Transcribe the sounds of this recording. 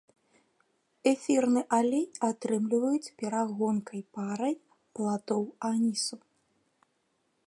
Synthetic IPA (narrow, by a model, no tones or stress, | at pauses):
ɛfʲirnɨʔalʲɛjat̪ɾɨmlʲivɐjut͡sʲpʲɛɾaɣɔnkɐjpaɾɐj | plˠat̪ɔwanʲisu